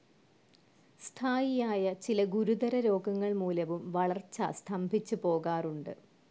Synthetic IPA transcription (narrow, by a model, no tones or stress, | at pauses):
st̪ʰaːjijaːjɐt͡ɕilɐɡuɾud̪ɐɾɐɾo̞ːɡɐŋːɐɭmuːlɐʋumʋɐɭɐrt͡ɕːɐ̰st̪ʰɐmbʱit͡ɕːupo̞ːɣaːruɳɖɨ